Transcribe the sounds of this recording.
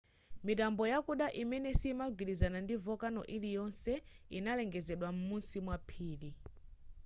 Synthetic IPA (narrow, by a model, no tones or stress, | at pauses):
mit̬ambɔjakuɗaʔimɛnɛsimaɡilizanandivɔkanɔ̰ʔilijɔnsɛinalɛŋɡɛzɛɗwam̩munsimwapʰiːli